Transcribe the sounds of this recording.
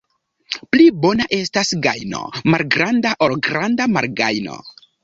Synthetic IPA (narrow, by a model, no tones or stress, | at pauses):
plibo̞naʔe̞stasɡajno̞̰malɡɾandaʔolɡɾandama̰ɾɡajno̰